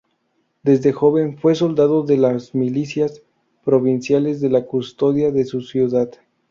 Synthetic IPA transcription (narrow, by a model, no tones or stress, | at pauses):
d̪e̞zðe̞xo̞βe̞ɱfwe̞s̬o̞ld̪aðo̞ðe̞lazmilisjas | pɾo̞βinsjale̞zðe̞lakust̪o̞ðjaðe̞susjuðað